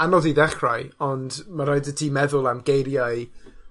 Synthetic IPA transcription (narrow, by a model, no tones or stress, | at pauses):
anɔdiðɛχrajɔndmaɾajdətʰimɛðʊlˠamɡejɾjaj